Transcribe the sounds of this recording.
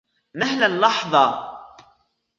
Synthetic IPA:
mahlanlɑħðˤɑ

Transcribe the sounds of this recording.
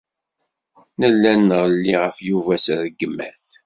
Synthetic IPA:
nəlːænəʁlːiʁəfjuvæsðəɡəmːæθ

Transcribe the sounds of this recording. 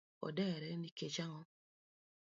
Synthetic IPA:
ɔ̰dɛɾɛniket͡ʃaŋɔ

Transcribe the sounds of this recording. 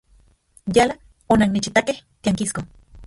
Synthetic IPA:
jala | onannit͡ʃit̪akeht̪iaŋkisko

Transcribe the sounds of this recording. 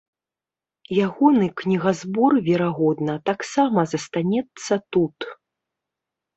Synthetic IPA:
jaɣɔnɨknʲiɣazbɔrvʲɛɾaɣɔd̪nɐt̪aksamɐzɐst̪anʲɛt̪sːɐt̪ut̪

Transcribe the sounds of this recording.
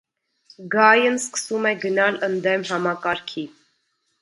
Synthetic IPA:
ɡɑjənskə̥sumɛɡənɑlənd̪ɛmɦɑmɑkɑɾkʰi

